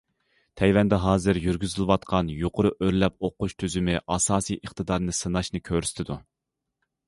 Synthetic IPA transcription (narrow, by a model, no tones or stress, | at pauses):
t̪ʰɛjwɛnd̪ɛɦɑːzɨɾjyɾɡʲyzɪlˠɨwɑt̪̚qʰɑnjoqʰʊɾʊʔøɾlɛp̚oqːʊʃt̪ʰyzymɪʔɑsɑːsijʔəχt̪ɨd̪ɑɾnɨsɨnɑʃnɨkʲʰøɾsɪ̥t̪ʰɪd̪u